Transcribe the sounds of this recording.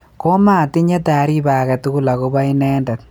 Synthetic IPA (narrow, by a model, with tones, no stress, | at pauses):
ko˦ma˦˨ti˦ɲe˦ta˨˦ɾi˦baː˨kɛ˨tuku˦la˨ko˦ba˦inɛ˦nda˨t̚